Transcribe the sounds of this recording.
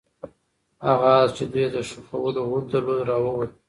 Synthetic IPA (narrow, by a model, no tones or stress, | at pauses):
aɣazt͡ʃed̪ujed̪əʃufawəloɣund̪əɾlod̪ɾɑwəwa